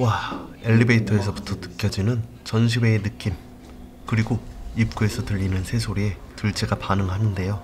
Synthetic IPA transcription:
wae̞ʎːibeitʰʌe̞sʰʌbu̥tʰʌtɯ̥k͈ʰjʌd͡ʑinɯn | t͡ɕʌnɕʰiwe̞ːnɯk͈im | kɯɾiɡoip̚k͈ue̞sʰʌtɯʎːinɯnsʰe̞sʰoɾie̞tɯɭt͡ɕ͈eɡapanɯŋɦanɯnde̞jo

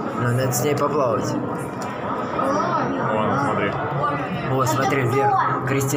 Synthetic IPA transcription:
nonad̪əsʲnʲejpɐplˠavətʲ | smɐt̪ɾʲi | osmɐt̪ɾʲivʲekɾʲɪsʲtʲ

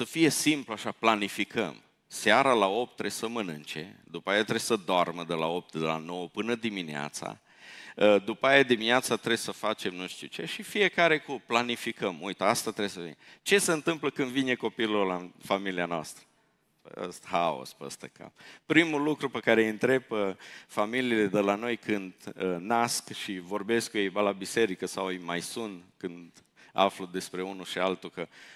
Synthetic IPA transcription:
səfije̞simpluaʃaplanifikʰə̰m | seaɾalao̞p̚t̪ːɾesəmɨnɨnt͡ʃe̞̰d̪upajeat̪ɾebesəd̪oarməd̪ela̰o̞p̚t̪d̪ela̰no̞wəpɨnəd̪iminea̰t̪sa̰ | d̪upajad̪imineat̪sat̪ɾesəfat͡ʃe̞mnuʃt̪ḭuwt͡ʃe̞ʃifije̞kaɾe̞kuplanifikəmujt̪əast̪at̪ɾebesəvint͡ʃe̞seɨnt̪ɨmpləkɨnd̪vine̞ko̞pilurlafamilianoa̰st̪ɾə̰ | ə̰st̪hao̰spə̰st̪ə̰kʰa̰pɾimulukɾupekaɾeɨnt̪ɾe̞pəfamiliːle̞d̪elano̞jkʰɨnd̪naskʃivo̞rbe̞skujejbalabise̞ɾikəsawejmajsunt̪kɨnd̪ | a̰flud̪e̞spɾe̞unuʃialt̪ukə

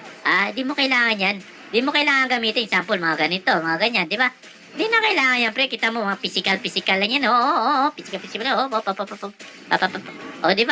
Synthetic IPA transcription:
ʔaːnd̪imokɐɪlaːŋɐnjan | ɪnd̪imokɐɪlaːŋɐŋɡɐmiːt̪ɪnsampolmɐŋaɡɐnɪnt̪omɐŋaɡɐɲːand̪ɪba | ɪnd̪inɐkɐɪlaːŋɐnjanpɾɛkiːt̪amomɐŋapisɪkɐlpisɪkalːɐŋjanʔoːʔoʔoʔopisɪkapɪsɪkalʔoopapapapa | papapapʔoːd̪ɪba

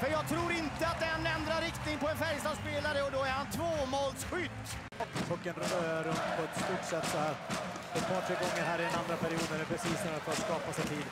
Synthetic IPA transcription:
fœɾjɑːɡ̚t̪ʰɾuːɾɪnt̪əat̪̚d̪ɛɛnːɛnd̪ɾaɾɪkt̪nɪŋpɔɛnfɛɾjst̪ɑːspeːlaɾəɔd̪ɔæɾhant̪ʰvoːmoːlsɧʏt̪ː | fʰɔkːənɾøɾɵmt̪pʰɔɛt̪st̪uːʈʂɛt̪ːsɔhæːɾ | ɛt̪̚pʰɑːʈʰɾeːɡɔŋːəɾɦæːɾɪd̪ɛnand̪ɾapʰæɾɪuːd̪næɾɛpʰɾɛsiːsɔmæfœɾat̪skɑːpasɛt̪ʰiːd̪

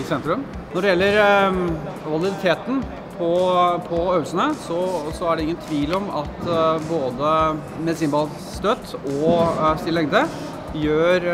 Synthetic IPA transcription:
sɛnt̪ɾʉm | nɔɖɛjɛlːəɾ | ʋɑlɪd̪ɪt̪ʰeːt̪n̩ | pʰɔpʰɔœʉəlsənəsɔsɔæɖɛɪŋːənt̪ʰʋiːlɔmɑt̪boːd̪əmɛsiːnbɑl | st̪œt̪ːɔst̪ɪlːɛŋd̪ə | jøːɾ

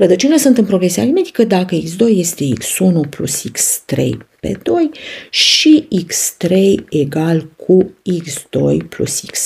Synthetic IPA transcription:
rəd̪ət͡ʃenelasunt̪ɨnpɾo̞ɡɾesea̰lime̞d̪i̥kəd̪akəiksd̪o̞jːe̞st̪e̞iksunuplṵsikst̪ɾe̞̰jpe̞̰d̪o̞jʃiikst̪ɾe̞jeɡalkʰuiksd̪̥o̞̰jplṵsiks

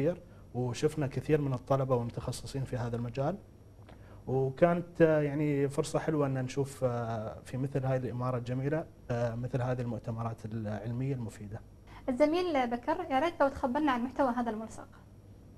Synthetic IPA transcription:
iːɾ | wʃʊfnakɪθiːɾmɪnɨt̪ˤːɑlɑbawɪlmʊt̪ɑxɑsˤːɨsˤiːnfiɦaːðalmad͡ʒaːl | wkaːnat̪jaʕnifʊɾsˤɑħɪlwaʔɪnːanʃuːffimɪθlhaːjɪlʔɪmɑːɾˤɑld͡ʒamiːla | mɪθlɦaːðilmʊʔt̪amɑɾˤɑːt̪ʰɪlʕɪlmɪjːalmʊfiːd̪a | ʔɪzːamiːlbakɑɾˤjɑɾˤiːt̪lawt̪xabːɑɾˤnaʕanmʊħt̪awaɦaːðalmʊlsɑ̰q

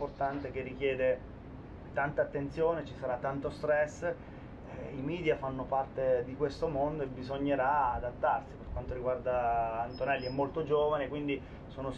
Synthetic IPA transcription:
port̪ant̪ek̟erːik̟jɛːd̪e | t̪ant̪aːt̪ːent̪sjoːnet͡ʃisaɾat̪ːant̪ost̪ɾɛsː | ɛimiːd̪jafanːopart̪ed̪ikwest̪omond̪oebːizoɲːeɾaːd̪at̪ːarsiperkwant̪oɾiɡward̪aːnt̪onɛlːiɛmːolt̪od͡ʒoːvanekwind̪i | soːno

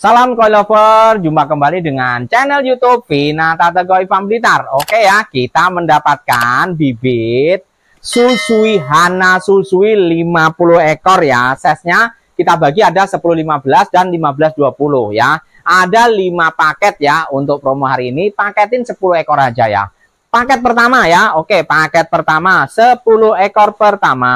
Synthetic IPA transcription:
salamkoilofərd͡ʒumpakəmbalidəŋant͡ʃɛnɛljut̪upfinat̪at̪əɡɔifambəlit̪arokejakit̪aməndapat̪̚kanbibɪt̪̚ | susuiɦanasusuilimapulʊhekɔrjasɛsɲa | kit̪abaɡiadasəpulʊhlimabəlasdanlimabəlasduapulʊhja | ʔadalimapakɛt̪̚jaunt̪ʊk̚pɾomoɦaɾiːnipakɛt̪ɪnsəpulʊhekɔɾad͡ʒaja̰ | pakɛt̪̚pərt̪amajaokepakɛt̪̚pərt̪amasəpulʊhekɔrpərt̪ama

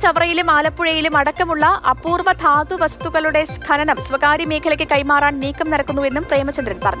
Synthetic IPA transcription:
t͡ɕɐʋrɐjilumaːlɐpːuɻɐjilumɐɽɐkːɐmuɭːɐʔɐpːuːrʋɐt̪ʰaːd̪uʋɐst̪uɣɐɭuɽe̞skʰɐɾɐnɐmsʋɐkaːɾjimeːkʰɐlɐkʲːɨkɐjmaːraːɳniːkːɐmnɐɾɐkːunːue̞nːumpreːmɐt͡ɕːɐnd̪ɾɐnpɐrɐɲːu

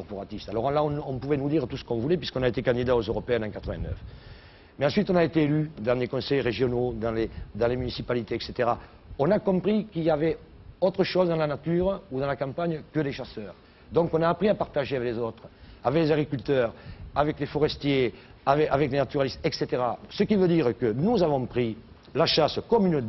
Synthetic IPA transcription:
kɔʁpɔʁat̪ist̪alɔʁlaɔ̃nɔ̃mpuvɛnud̪iʁət̪usə̥kɔ̃vulɛpɥiskɔ̃naet̪ekãnd̪id̪aozøʁɔpeɛ̃nɑ̃kat̪χəvɛ̰̃nœ̰f | meɑ̃sɥit̪ɔ̃naet̪eːlyd̪ɑ̃dlekɔ̃sɛjʁeʒjɔnod̪ɑ̃led̪ɑ̃lemynisipalit̪eɛkset̪eʁa | ɔ̃nakɔ̃mpχikiljavɛ | ɔt̪χəʃɔzəd̪ɑ̃lanat̪yʁud̪ɑ̃lakɑ̃mpaɲəkəleʃasœʁ | d̪ɔ̃ŋkɔ̃naːpχiapaʁt̪aʒeavɛklezɔt̪χəavɛklezaɡʁikylt̪œʁavɛklefɔʁɛst̪je | avɛavɛklenat̪yʁalist̪ɛkset̪eʁasəkivød̪iʁəkənuzavɔ̃pχi | laʃasəkɔmynə

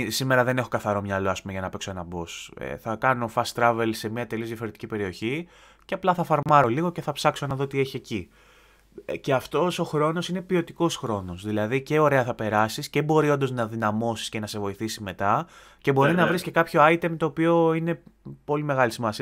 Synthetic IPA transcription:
sime̞ɾɐðe̞ne̞xo̞kɐθɐɾo̞mɲɐlo̞ɐspumeʝɐnɐpekso̞e̞nɐbo̞sḛθɐkɐno̞fɐst̪ɾɐve̞lse̞miɐt̪e̞liozðjɐfo̞ɾe̞t̪icʲipe̞ɾio̞çi | ceɐplɐθɐfɐɾmɐɾo̞liɣo̞ce̞θɐpsɐksonɐðo̞t̪ieçieci | ce̞ɐft̪o̞so̞xɾo̞no̞sine̞pio̞t̪iko̞sxɾo̞nosðilɐðiceo̞ɾe̞ɐθɐpe̞ɾɐsiscebo̞ɾio̞nd̪oznɐðinɐmo̞si̥sce̞nɐse̞vo̞iθisime̞t̪ɐ | ce̞bo̞ɾinɐvɾisce̞kɐpço̞ɐjt̪emt̪o̞ːpio̞ine̞po̞limeɣɐlisimɐsiɐ

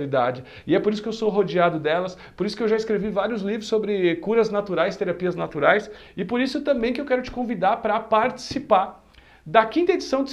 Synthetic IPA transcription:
lid̪a̰d͡ʒɪ | ɪɛpoɾis̬ʊ̥kewsoɦod͡ʒiad̪ʊd̪ɛlɐs | poɾisʊ̥kɪewʒaɪskɾevivaɾiʊzlivɾʊsːobɾɪkuɾɐznat̪uɾajst̪eɾapiɐznat̪uɾajsɪpoɾisʊt̪ɐ̃mbẽj̃kɪewkɛɾʊt͡ʃɪ̥kõvid̪aɾpɾɐpaɾt͡ʃi̥sipaɾ | d̪ɐkĩnt̪ɐed͡ʒisɐ̃w̃d͡ʒ̪ɪ

